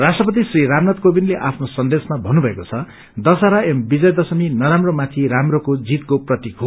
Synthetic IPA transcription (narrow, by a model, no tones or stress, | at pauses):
rasʈrʌpʌt̪̬isriɾamnat̪̚kobinleʔapʰnosʌnd̪esmabʱʌnːubʱʌekot͡sʰʌ | d̪ʌsaɾaembid͡zʌjd̪ʌsʌminʌɾamromat̪ʰiɾamrokod͡zit̪koprʌt̪ikʰo